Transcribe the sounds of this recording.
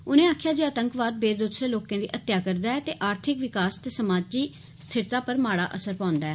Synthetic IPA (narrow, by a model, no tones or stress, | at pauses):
ʊnẽːaːkʰjaːd͡ʒeːət̪əŋkʋaːd̪̚beːd̪ut̪sɾeːloːkãːd̪ḭːʔət̪ːjaːkəɾd̪aːɛːt̪eːʔaːɾt̪ʰɪkʋɪkaːst̪eːsəmaːd͡ʒiː | st̪ʰɪɾt̪aːpəɾmaːɽa̰ːʔəsəɾpãːnd̪aːɛː